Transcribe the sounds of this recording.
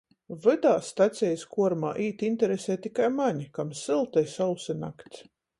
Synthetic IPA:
vɨd̪aːst̪at̪sʲɛjskuɔɾmaːʔiːt̪int̪ɛɾesʲɛːt̪ikajmaɲikamsɨlˠt̪ɛjsawsɨna̰kt̪s

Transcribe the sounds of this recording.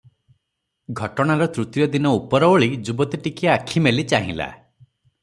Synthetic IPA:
ɡʱɔʈɔɽ̃aɾɔt̪ɾut̪wjɔd̪inɔupɔɾɔoɭid͡ʒubɔt̪iʈikiakʰimelit͡ʃaɦḭ̃la̰

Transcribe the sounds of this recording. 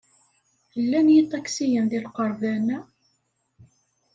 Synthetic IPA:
əlːænjit̪ˤːɑksijənðilqəɾˤbænæ

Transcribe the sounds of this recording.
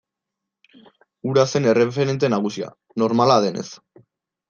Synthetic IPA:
uɾase̞ne̞re̞f̬e̞ɾe̞nt̪̬e̞naɣ̞usia̰ | no̞ɾmalaðe̞ne̞̰s

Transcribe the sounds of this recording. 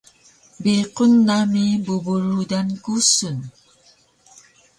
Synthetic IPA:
biqonːamibubuɾudankusun

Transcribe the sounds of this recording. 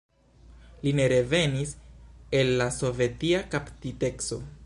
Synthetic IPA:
line̞ɾe̞ve̞nise̞lːaso̞ve̞tiakaptite̞kso̞̰

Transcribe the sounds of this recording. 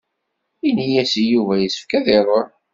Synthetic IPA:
inijæsijuvæjəsə̥fkæðɪɾˤoɾ

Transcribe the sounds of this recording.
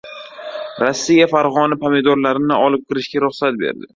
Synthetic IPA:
ɾɒsːijafaɾʁɒnɪpʰamed̪ɒɾlaɾɪnɪʔɒlˠɪp̚qʲʰɨɾɪʃkʲaɾʊχsat̪̚bḛɾd̪ɪ

